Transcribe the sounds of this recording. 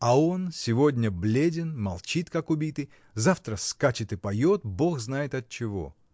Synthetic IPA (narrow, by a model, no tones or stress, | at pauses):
ɐo̞nsʲɪvo̞dʲnʲəblʲedʲɪnmɐlˠt͡ɕit̪kakʊbʲit̪ɨj | zaft̪ɾəskat͡ɕɪt̪ɨpɐjo̞t̪̚bo̞xznajɪt̪ɐt̪̚t͡ɕɪvo̞̰